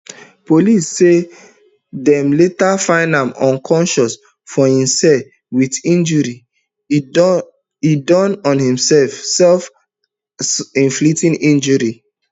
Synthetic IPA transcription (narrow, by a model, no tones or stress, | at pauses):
polisːe | dɛ̃mletafãɪ̃ndãmɔ̃nkʰɔ̃nʃɔs | fɔhĩmsɛl | witĩnd͡ʒuɹi | idɔ̃nɔ̃nhĩmsɛlfsɛlf | ĩnflitĩnĩnd͡ʒɔɹi